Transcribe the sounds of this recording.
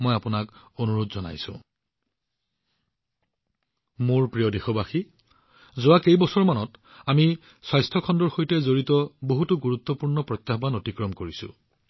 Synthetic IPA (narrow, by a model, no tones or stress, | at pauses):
mojapʊnakonuɹotzɔna̰jsʊ̰̃ | mʊɹpɹijɔdexɔbaxi | zʊwakejbɔsɔɹmanɔt | ami | swajstʰɔkʰɔndɔɹxojtɛzoɹitɔboɦutuɡuɹut̪ːɔpuɹnɔpɹɔtjaxbanotikɹɔmkoɹisʊ̰̃